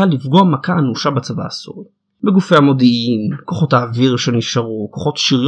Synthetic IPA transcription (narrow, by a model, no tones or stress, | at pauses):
alifɡoamakaːnuʃabat͡sava̰ːsṵʁi | beɡufeamo̞d̪iʔimko̞χo̞taːviʁʃeniʃaʁuko̞χo̞t̪ʃiʁj